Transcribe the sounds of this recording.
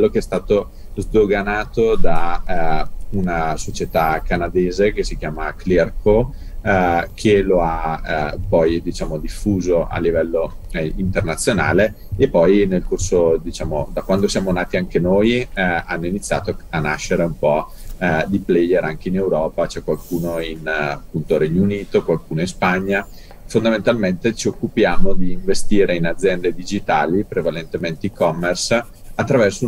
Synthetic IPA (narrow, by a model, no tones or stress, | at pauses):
klːokeɛst̪aːt̪o | zd̪oɡanaːt̪od̪a | unasot͡ʃet̪akanad̪eːzekesikjaːmaklɛrko | kʰeloapɔjd̪it͡ʃaːmod̪ifːuːzoʔa̰lːivɛlːo | int̪ernat̪sːjona̰ːle | epːɔjnelkorsod̪it͡ʃaːmod̪akwand̪osjaːmonaːt̪iaŋkenoːjanːoinit̪sːja̰ːt̪oanaʃːeɾeumpɔ | d̪iplɛjeɾaŋk̟einewɾɔːpat͡ʃɛkwalkuːnoinapːunt̪oɾɛɲːouniːt̪okwalkuːnoinspaɲːa | fond̪ament̪alment̪et͡ʃiokːupjaːmod̪iːɱvest̪iːɾeinad̪zːjɛnd̪ed̪id͡ʒit̪aːlipɾevalent̪ement̪eikɔmːers | at̪ːɾavɛrso